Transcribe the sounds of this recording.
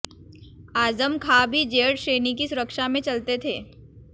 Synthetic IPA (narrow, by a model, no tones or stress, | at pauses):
aːzəmkʰaːbʱid͡ʒeːɽʃeːnikisʊɾəkʃamẽt͡ʃɐlt̪et̪ʰeː